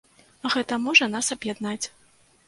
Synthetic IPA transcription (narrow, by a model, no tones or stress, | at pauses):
ɣɛt̪ɐmɔʐɐnasɐbjad̪nat͡sʲ